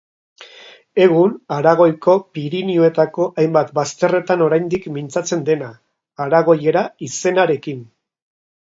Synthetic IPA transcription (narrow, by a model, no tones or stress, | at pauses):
e̞ɣ̞unaɾaɣ̞o̞jko̞piɾinioe̞t̪ako̞ʔajmbat̪bast̪e̞re̞t̪ano̞ɾajnd̪ikmint͡sat͡se̞nd̪e̞naː | ɾaɣ̞o̞je̞ɾaise̞naɾe̞kin